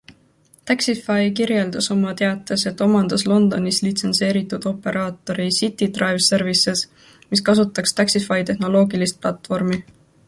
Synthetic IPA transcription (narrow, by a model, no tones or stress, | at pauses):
t̪æksifɑjkiɾje̞ld̪̥ɑso̞mɑt̪e̞ɑt̪ːˑese̞t̪ːˑo̞mɑnd̪̥ɑslo̞nd̪̥o̞nislit̪se̞nse̞ːɾit̪ːˑud̪̥o̞pːe̞ɾʔɑːt̪ːˑo̞ɾisit̪ːˑid̪̥rɑjvse̞rvise̞s | miskɑsut̪ːˑɑkst̪æksifɑjt̪e̞hno̞lo̞ːɡilist̪̚plɑt̪ːˑfo̞rmi